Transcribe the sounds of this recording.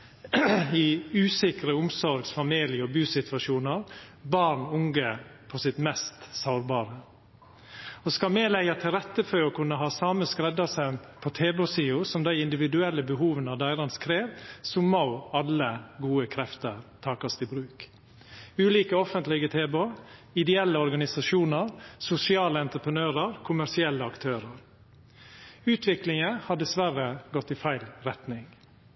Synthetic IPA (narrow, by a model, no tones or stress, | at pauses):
ɪʉːsɪkɾəʊmsɔɾɡsfɑmiːlɪəɔbʉːsɪt̪ʋɑʃuːnəɾbɑɾɳʊŋɡəpʰɔsɪt̪mɛst̪saʊɾbɑːɾə | ɔskɑmeːlæɪɑt̪ʰɪlɾɛt̪ːəføɾɔkʰʉnːəɦɑːsɑːməskɾɛd̪ɑsənpʰɔt̪ʰeːbosiːʊsɔmd̪æɪɪnd̪ɪʋɪd̪ʉɛlːəbəɦuːʋənɑʋd̪æɪɾɑnskʰɾeːʋsɔmːɑʊɑləɡuːəkʰɾɛft̪əɾt̪ʰɑːkɑst̪ɪbɾʉːk | ʉːliːkəɔfənt̪lɪɡət̪ʰeːboɪd̪ɛɛlːəɔɾɡɑnɪsɑʃuːnəɾsʊsɪɑːləɛnt̪ɾəpʰɾənøːɾəɾkʰʊmæsɪɛlːəɑkt̪ʰøːɾəɾ | ʉːt̪ʰʋɪklɪŋəhɑɖɛsʋæɾəɡɔt̪ːɪfæɪlɾɛt̪nɪŋ